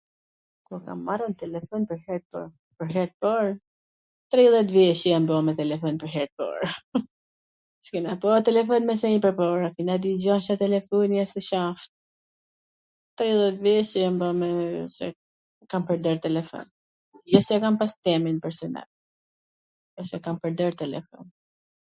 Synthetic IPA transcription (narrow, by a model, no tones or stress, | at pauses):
kuka̰mːaɾɔnt̪ɛlɛfɔnpəɾhɛɾpɔ̰ | pəɾɦɛɾ̚pɔɾ | t̪ɾiðˠɛt̪vɛʃɛjambɔmɛt̪ɛlɛfɔnpəɾɦɛɾ̚pɔ̰ɾ | t͡ʃkɛnapɔt̪ɛlɛfɔnmɛs̬ɛɲipəɾpɔɾakinad̪id͡ʑaʃat̪ɛlɛfɔnjasɛʃaft̪̚ | t̪ɾiðˠɛt̪vɛʃəjambɔmɛsɛ̰ | kampəɾd̪əɾt̪ɛlɛfɔ̰n | jasɛkampast̪ɛminpɛɾsɔna̰l | ɔʃɛkampəɾd̪əɾt̪ɛlɛ̰fɔ̰n